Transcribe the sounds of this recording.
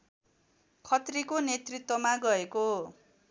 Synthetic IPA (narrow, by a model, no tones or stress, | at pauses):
kʰʌt̪rikonet̪rit̪wʌmaɡʌeko